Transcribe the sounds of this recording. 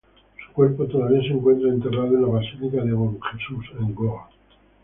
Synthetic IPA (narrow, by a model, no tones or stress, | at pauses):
su̥kweɾpot̪onaβenseŋkwe̞nt̪ɾaent̪e̞raðoenlaβasilikaðeɣonxesuseŋɡoa